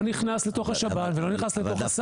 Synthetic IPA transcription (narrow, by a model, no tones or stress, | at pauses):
niχnaslet̪o̞χaʃabatvelo̞niχnaslet̪o̞χas